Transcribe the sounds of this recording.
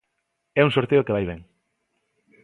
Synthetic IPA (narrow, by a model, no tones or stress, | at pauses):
ɛuŋsoɾt̪eokeβajβɛŋ